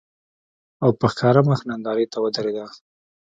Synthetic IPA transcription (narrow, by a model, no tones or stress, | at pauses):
awpəxkɑɾaməxnand̪ɑɾet̪awəd̪aɾed̪a